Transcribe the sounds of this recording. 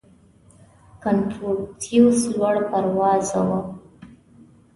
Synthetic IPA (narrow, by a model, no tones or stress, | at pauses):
kant̪ɾoɽt̪ʰiwslwaɽpaɾwɑzawa